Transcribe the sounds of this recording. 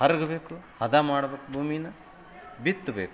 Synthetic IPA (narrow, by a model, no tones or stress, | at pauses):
hɐɾɡɐbeːkuhɐd̪aːmaːɽɐʋɐkːbʱuːminɐ | bit̪ːubeːku